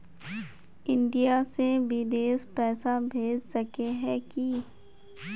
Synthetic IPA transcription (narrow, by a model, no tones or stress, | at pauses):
ɪ̃ɳɖijaseʋɪd̪eːspɛːsabʱeːd͡ʒsɐkeɦɛki